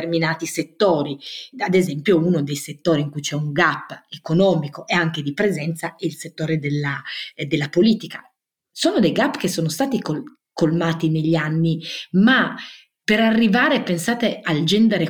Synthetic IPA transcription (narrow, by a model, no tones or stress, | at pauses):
rminaːt̪iset̪ːoːɾiad̪ezɛmpjounod̪ejset̪ːoːɾiːŋkujt͡ʃɛuŋɡapːekonɔːmikoʔeaŋk̟ed̪ipɾezɛnt̪saɛilset̪ːoːɾed̪elːad̪elːapoliːt̪ika | soːnod̪ejɡapːk̟esːoːnost̪aːt̪iko | kolmaːt̪ineʎːianːima | peɾarːivaːɾepensaːt̪eald͡ʒɛnd̪eɾe